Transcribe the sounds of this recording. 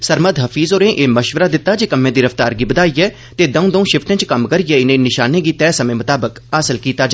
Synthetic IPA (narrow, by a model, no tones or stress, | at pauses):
səɾməd̪ɦəfʰiːzoːɾẽːʔeːməʃʋəɾaːd̪ɪt̪ːaːd͡ʒeːkəmːẽːd̪iːɾəft̪aːɾɡiːbəd̪aːiːɛː | t̪eːd̪əũd̪ə̃ũːʃɪfʰʈɪ̃ːt͡ʃkəmkəɾiːɛːɪnẽːnɪʃaːnẽːɡiːt̪ɛːsəmẽːmʊt̪aːbəkaːsəlkiːt̪aːd͡ʒ